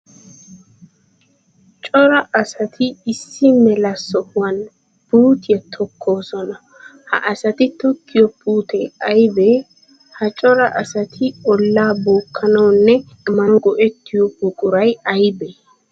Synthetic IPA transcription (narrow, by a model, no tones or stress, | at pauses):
t͡ʃʼɔɾɐʔɐsɐt̪ʰɪɪsːɪmɛlɐsɔhwɐn | buːt̪ɪjɐt̪ʰɔkʰːo̞ːsɔnɐ | hɐ̰ʔɐsɐt̪ɪt̪ɔkːɪjɔpuːt̪ɛɐjbɛ | hɐt͡ʃʼɔɾɐʔɐsɐt̪ʰɪɔlːaːboːkʰːɐnɐwnːɛ | ɛmːɐnɔɡɔʔɛt̪ːɪjɔpʊkʼʊɾɐjɐjbɛ